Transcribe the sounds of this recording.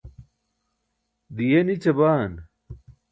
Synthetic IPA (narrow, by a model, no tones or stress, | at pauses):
d̪ijenit͡ɕɐbaːn